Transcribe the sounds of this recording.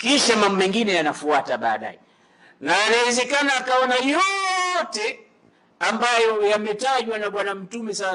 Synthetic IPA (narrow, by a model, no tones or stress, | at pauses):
kiʃamambumɛŋɡinɛjanafuataɓa̰ːɗa̰jɛ | naːnaɛzɛkanaːkaɔnajɔtɛ | ambajɔjamɛtaʄwanaɓwanam̩tumɛsa